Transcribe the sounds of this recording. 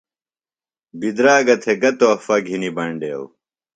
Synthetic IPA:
bid̪ɾaːɡɐt̪ʰeɡɐt̪oːfɐɡʱinibɐɳɖḛːw

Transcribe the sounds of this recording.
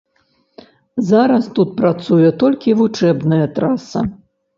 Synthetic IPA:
zaɾɐst̪ut̪̚pɾat̪sujɛt̪ɔlʲkʲivut͡ʂɛbnɐjɐt̪ɾasɐ̰

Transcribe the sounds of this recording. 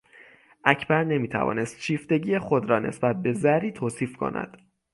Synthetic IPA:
ʔæcʰbæɾne̞miːt̪ʰæ̰vɒ̰ːne̞st̪ʃiːft̪e̞ɟiːjexo̞d̪ɾɒːne̞̰sbæt̪̚be̞zæɾiːt̪ʰoːsiːfkʰo̞̰næ̰d̪̥

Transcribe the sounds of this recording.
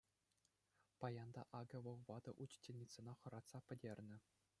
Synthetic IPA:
pɑjɑnd̪ɑ̰ʔɑɡʲɤ̆ʋɤ̆lˠʋɑd̪ɤ̆ʔut͡ɕtʲelʲnʲit̪sɤ̆nɑχɤ̆ɾɑt̪sɑpʲɘ̆dʲerʲnʲɘ̆

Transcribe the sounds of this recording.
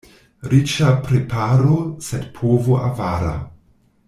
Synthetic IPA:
ɾit͡ʃapɾepʰaɾosedpʰoːvoʔa̰vaːɾa̰

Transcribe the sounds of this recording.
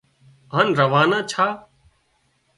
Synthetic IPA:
aːnɾəʋaːnãːt͡ʃʰaː

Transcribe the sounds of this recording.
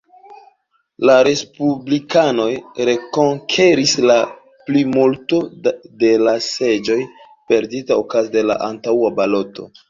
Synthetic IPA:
laɾe̞spublikano̞jɾe̞ko̞ŋkʰe̞ɾisla | plimulto̞de̞lase̞d͡ʒo̞j | pe̞ɾditaokazde̞la̰ʔantawabalo̞to̞̰

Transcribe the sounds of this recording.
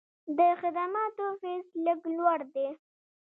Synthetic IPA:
d̪əxɪd̪amɑt̪ofesləɡlwaɽd̪e

